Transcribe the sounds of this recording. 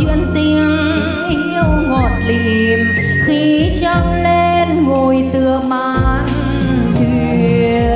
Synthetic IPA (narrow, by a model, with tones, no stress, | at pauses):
t͡ɕwḭ˧˥ənt̪i˧əŋ | ʔi˧əwŋɔ˨˩t̚li˧˨˩m | t̪i˨˧˩t͡ɕɔ˧ŋle˧nŋo˨˩jt̪ɨ˨˩əmaː˧˨˧n | t̪ʰi˧